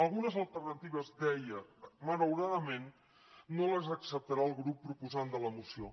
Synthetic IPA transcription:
əlˠɣunəzəlˠt̪ərnət̪iβ̞əzd̪ɛjəmələwɾaðəmenː | oləzəksəp̚t̪əɾaəlˠɣɾupːɾupuzand̪ələmusio

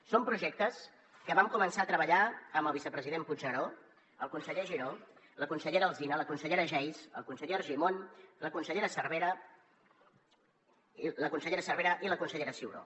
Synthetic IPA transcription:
sompɾuʒɛk̚t̪əs | kəβamkumənsaət̪ɾəβəʎaəmbəlˠβisəpɾəziðempud͡ʒəɾo | əlˠkunsəʎeʒiɾo | ləkunsəʎeɾəəlˠzinələkunsəʎeɾəʒɛjzə̰lˠkunsəʎeɾʒimonləkunsəʎeɾəsərβ̞eɾə | ləkunsəʎeɾəsərβeɾəʔiləkunsəʎeɾəsiwɾo̰

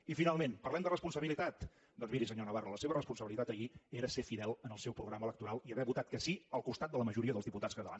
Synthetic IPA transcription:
ifinalˠmenpərlɛmd̪ərəspunsəβilit̪at̪ | d̪ɔnzmiɾisəɲonəβaruləseβərəspunsəβilit̪at̪əieɾəsefiðɛlˠənəlˠsɛwpɾuɣɾamələkt̪uɾalˠiəβɛβut̪at̪̚kəsiəlˠkust̪at̪̚d̪ələməʒuɾiəðəlˠzðiput̪at͡skət̪əla̰n

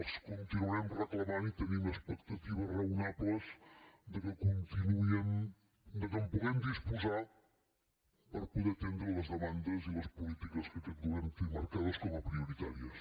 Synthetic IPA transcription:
skunt̪inuɛmrəklˠɐmanit̪ənĩumɐəspək̚t̪ɐt̪iβɐrɐunaplɐzd̪əkəkunt̪inuen | d̪əkəmpuɣemd̪ispuza | pɐɾpuðet̪end̪ɾəlɐzðəmãnd̪ɐzilɐspulit̪ikɐskət̪end̪uɛnt̪imɐɾkaðɐskɔmupɾiuɾit̪aɾiɐs

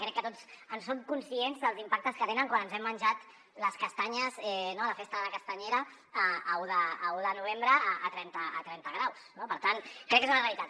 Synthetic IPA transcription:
kɾɛkːət̪ozənsːoŋkunsienzðəlˠzimpak̚t̪əskət̪enəŋkwanənzɛmːənʲʒat̪ | ləskəst̪aɲəzɛnoləfest̪əðələkəst̪aɲeɾə | əːuðəːuðənuβ̞embɾəəʔət̪ɾɛnt̪əːt̪ɾɛnt̪əɣ̞ɾawsnopəɾt̪ankɾɛkːezunəreəlit̪at̪

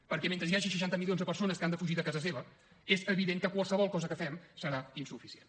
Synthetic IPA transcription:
pəɾkɛment̪ɾəsjaʒəʃ̬əʃ̬ant̪əmilijonzðəpəɾsonəskand̪əfuʒiðəkazəseβə | ezəβiðeŋkəkwalˠsəβɔlˠkɔzəkəfɛmsəɾainsufisien

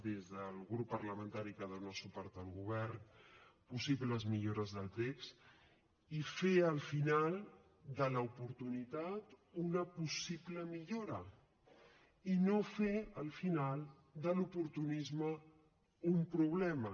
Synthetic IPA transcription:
d̪ezðəlˠɣɾupːərləmə̃nt̪aɾikaðənoasupɔɾt̪əlˠɣuβ̞ɛɾnpusiβləzmiʎoɾəzðəlˠt̪eks | ifeəlˠfinalˠ | d̪ələupuɾt̪unit̪at̪unəpusiβləmiʎoɾə | inofeəlˠfinalˠ | d̪əlupuɾt̪unizmə | umpɾuβ̞lɛmə

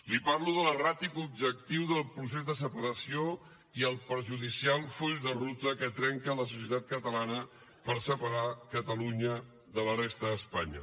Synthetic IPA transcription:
lipaɾluðələrat̪ikub̚ʒək̚t̪iwðəlˠpɾus̬ezðəs̬əpəɾəsio | iəlˠpəɾʒuðisialˠfuʎðərut̪əkət̪ɾɛŋkələs̬us̬iət̪at̪̚kət̪əlanə | pəɾsəpəɾakət̪əluɲə | ðələrest̪əːspaɲə̰

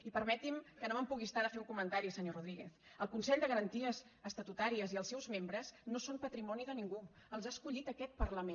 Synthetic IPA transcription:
ipəɾmɛt̪imkənoəmpuɣist̪aðəfeuŋkumənt̪aɾisəɲoruðɾiɣḛθ | əlˠkunsɛʎd̪əɣəɾənt̪iəzəst̪ət̪ut̪aɾiəziəlˠsɛwzmembɾəznosompət̪ɾimɔniðəniŋɡu | əlˠzaskuʎit̪əkɛt̪̚pərləme

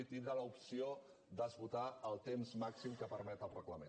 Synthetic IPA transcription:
it̪inɾələupsio | d̪əzβut̪aəlˠt̪emzmaksimkəpəɾmɛt̪əlˠrəkləme

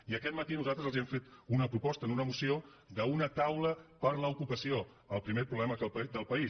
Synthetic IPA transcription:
iəkɛt̪mət̪inuzalt̪ɾəzəlˠziɛɱfet̪unəpɾupɔst̪ənunəmusio | ðəunət̪awləpəɾləukupəsio | əlˠpɾimepɾuβlɛməkəpd̪əlˠpəi

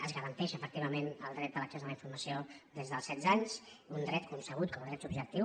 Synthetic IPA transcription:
əzɣəɾənt̪ɛʃəfək̚t̪iβəmenəlˠd̪ɾɛt̪̚ələksɛzðələiɱfuɾməsio | ðezðəlˠsɛd̪d͡zaɲs | und̪ɾɛt̪̚kunsəɣ̞ut̪̚kɔməðɾɛt̪ubʒək̚t̪iw

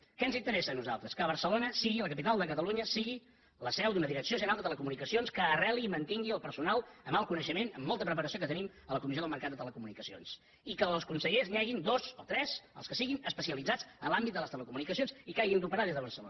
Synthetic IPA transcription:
kɛnzint̪əɾɛsənuzalˠt̪ɾəskəβ̞əɾsəlonəsiɣiləkəpit̪alˠd̪əkət̪əluɲəsiɣi | ləsɛwd̪unəðiɾəksioʒənalˠd̪ət̪ələkumunikəsionskəːrɛliːmənt̪iŋɡiəlˠpəɾsunalˠəmalˠkunəʃəmenəmːɔlˠt̪əpɾəpəɾəsiokət̪ənim | ələkumizioðəlˠməɾkat̪̚d̪ət̪ələkumunikəsio̰ns | ikəlˠskunsəʎeznɛɣind̪ozot̪ɾɛzə̰lˠskəsiɣinəspəsiəlidd͡zad͡zənlambit̪d̪ələst̪ələkumunikəsionzikajɣind̪upəɾaðezðəβəɾsəlo̰nə

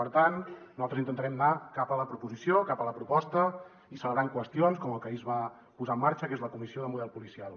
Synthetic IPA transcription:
pəɾt̪annuzalt̪ɾəzint̪ənt̪əɾɛmnakapələpɾupuzisjokapələpɾupɔst̪ə | isələβɾaŋkwəst̪ionskɔməlˠkəizβa | puzaəmːaɾt͡ʃəkezləkumisioðəmuðɛlˠpulisialˠ

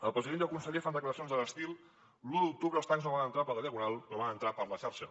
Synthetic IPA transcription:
əlˠpɾəziðend̪əlˠkunsəʎefand̪əkləɾəsionzðələst̪ilˠ | luðuk̚t̪uβɾəːlˠt̪aŋznoβanənt̪ɾapəɾlɾiəɣunalˠnoβanənt̪ɾapəɾləʃaɾʃə

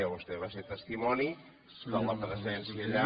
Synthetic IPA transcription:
əβust̪ɛβaset̪əst̪imɔni | d̪ələpɾəzɛnsiəʎa

